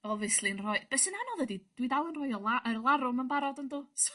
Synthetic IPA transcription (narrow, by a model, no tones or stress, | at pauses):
ɔvɨslˠiənrɔɨb̥ɛsənanɔðədid̥widawˠənrɔɨɔlˠaʔəlˠaɾʊmənbaɾɔdənduːs